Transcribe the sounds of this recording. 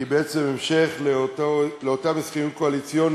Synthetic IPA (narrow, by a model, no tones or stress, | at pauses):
ibeet͡sememʃeχletoleotamesχijut̚koalit͡sjon